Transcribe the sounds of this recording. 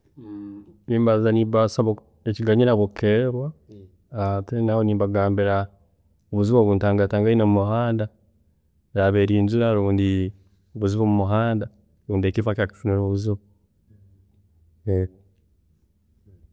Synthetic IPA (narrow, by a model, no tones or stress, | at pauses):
iːmbazaniːbasaβo | eciɡaɲiɾaβokʰeɾwaː | tenahoniːmbaɡaːmbiɾa | oβuziβoβuːntaːŋɡataːŋɡainomumuhaːnda | jaβeɾiːnzuɾaɾuːndi | oβuziβomumuɦaːnda | ɾuːndie̞cifacaki̥funiɾoβuziβo | e